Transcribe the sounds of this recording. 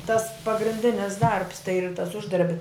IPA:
tɐs pɐɡrʲɪnʲˈdʲɪnʲɪs dɐrps tɐɪ ɪr tɐs ˈʊʒdɐrʲbʲɪ

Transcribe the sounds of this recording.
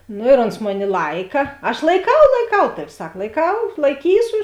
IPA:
ˈnoː ɪr oːns ˈmoːˌnʲɪ ˈlˠɐɪkɐ ɐʃ lˠɐɪˈkɐʊ lˠɐɪˈkɐʊ ˈtɑːʋʲɪ ˈsɐk lˠɐɪˈkɐʊ lˠɐɪˈkʲiːsʊ

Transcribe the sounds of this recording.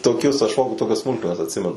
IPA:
toːˈkʲʊs ɐʃ ˈfoːkʊ ˈtoːkʲɛs ˈsmʊlˠkmʲɛnɐs ɐtʲˈsʲɪmʲɛnʊ

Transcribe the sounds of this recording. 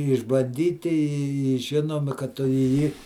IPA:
ɪʒbɐnʲˈdʲiːtʲɪ ɪ ˈʒʲɪnoːmʲɪ kɐt ˈtʊ ɪ ˈjiː

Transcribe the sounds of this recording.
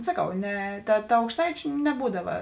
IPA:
sɐˈkɐʊ ˈnʲɛ ˈtɐ ˈtɐ ɐʊkʃˈtɐɪt͡ʃʲʊ nʲɛˈbuːdɐʋɐ

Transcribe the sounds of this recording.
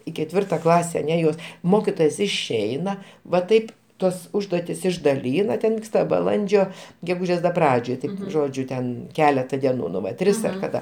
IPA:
ɪ kʲɛˈtʲʋʲɪrtɐ ˈklˠɑːsʲɛ ɐˈnʲɛ joːs ˈmoːkʲɪtoːjoːs ɪʃʲˈɛɪnɐ ʋɐ ˈtɐɪp ˈtuɔs ˈʊʒduɔtʲɪs ɪʒdɐˈlʲiːnɐ ˈtʲɛn ˈʋʲiːkstɐ bɐˈlˠɐnʲd͡ʒʲoː ɡʲɛˈɡuːʒʲeːs dɐ ˈprɑːd͡ʒʲoːj ˈtʲɪ ˈʒoːd͡ʒʲʊ tʲɛn ˈkʲæːlʲɛtɐ dʲɛˈnuː nʊ ˈʋɐ ˈtʲrʲɪs ɐr kɐˈdɐ

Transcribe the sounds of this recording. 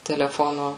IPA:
tʲɛlʲɛˈfoːnoː

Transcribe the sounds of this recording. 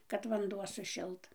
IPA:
kɐt ʋɐnˈduɔ sʊˈʃʲɪlˠt

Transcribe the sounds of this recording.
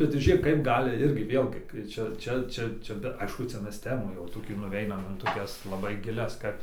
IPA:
bʲɛt tɐɪ ˈʒʲeːk kɐɪp ˈɡɑːlʲɪ ˈɪrʲɡʲɪ ˈʋʲeːlʲɡʲɪ kɐɪ ˈt͡ʃʲɛ ˈt͡ʃʲɛ ˈt͡ʃʲɛ ˈt͡ʃʲɛ bʲɛ ˈɐɪʃkʊ ˈt͡sʲɛ ˈmʲɛs ˈtʲæːmuː jɛʊ toːˈkʲuː nʊˈʋʲɛɪnɐm ɪn toːˈkʲɛs lˠɐˈbɐɪ ɡʲɪˈlʲɛs ˈkɐt

